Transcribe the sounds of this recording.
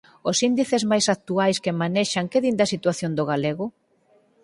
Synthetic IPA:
ʊsind̪iθezmajsak̚t̪uajskemaneʃaŋkeðind̪ɐsit̪waθjond̪oɣaleɣʊ

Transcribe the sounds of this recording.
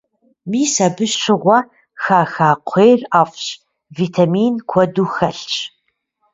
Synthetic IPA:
miːsɐbɨɕɕʰɪʁʷɐ | xaːxaːqʷʰeːraːfʼɕ | viːtʰamiːnkʷʰɔduːxɐɬɕʼ

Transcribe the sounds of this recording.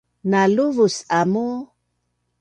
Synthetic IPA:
naluvusamo

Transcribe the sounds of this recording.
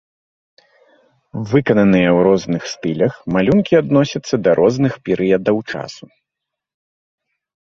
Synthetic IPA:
vɨkɐnɐnɨjɛwɾɔznɨxst̪ɨlʲɐxmalʲunkʲiad̪nɔsʲɐt̪sːɐd̪ɐɾʔɔznɨxpʲɛɾʔɨjɐd̪ɐwt͡ʂa̰su

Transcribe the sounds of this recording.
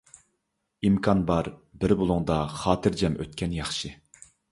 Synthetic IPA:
imkʰɑnbɑɾbɪɾbolˠuŋd̪ɑχɑːt̪ʰɨɾd͡ʒɛmʔøt̪̚kʲɛnjɑχʃɨ

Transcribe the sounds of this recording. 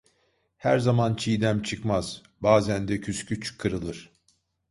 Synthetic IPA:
hæɾzamant͡ʃʰijd̪æmt͡ʃʰɯkmaz̥ | baːzænd̪ɛcʰyscyt͡ʃʰkʰːɯɾɯlˠɯɾ̥

